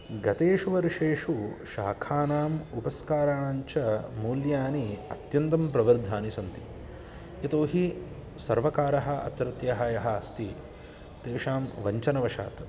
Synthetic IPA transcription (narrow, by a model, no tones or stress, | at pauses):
ɡɐt̪eːʂuʋɐɾiʂeːʂuʃaːkʰaːnaːmupɐskaːɾaːɳaːɲt͡ʃɐmuːljaːniɐt̪jɐnt̪ɐmpɾɐʋɐɾd̪ʱaːnisɐnt̪i | jɐt̪oːɦi | sɐɾʋɐkaːɾɐɦɐ̆ʔɐ̰t̪ɾɐt̪jɐɦɐːjɐɦɐɐst̪i | t̪eːʂaːmʋɐɲt͡ʃɐnɐʋɐʃa̰ːt̪